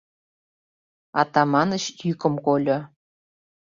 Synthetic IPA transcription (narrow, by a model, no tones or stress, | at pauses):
ɑt̪ɑmɑnəɕjykə̆mkolʲo